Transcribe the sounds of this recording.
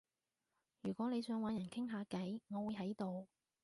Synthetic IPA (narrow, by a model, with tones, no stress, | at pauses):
jyː˨˩kʷɔː˨˥ne˨˧jsœː˨˧ŋwaː˨˧njɐ˨˩nkʰɪ˥ŋɦaː˨˧kɐ˨˥jŋɔː˨˧wu˨˧jɦɐ˨˥jt̪o˨w